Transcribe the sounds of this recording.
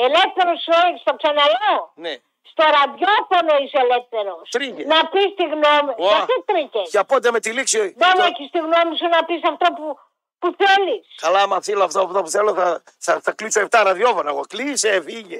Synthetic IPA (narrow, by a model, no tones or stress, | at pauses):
elefθeɾosoist̪oksɐnɐlone | st̪oɾɐðʝofonoiselefθeɾost̪ɾicenɐpist̪iɣnomiat̪it̪ɾicesceɐpond̪emet̪iliksioinemeçist̪iɣnomisunɐpisɐft̪opu | puθeliskɐlamɐθiloɐft̪oft̪opuθeloθɐ | θɐθɐklisoeft̪aɾɐðjovonɐɣoklisefiʝe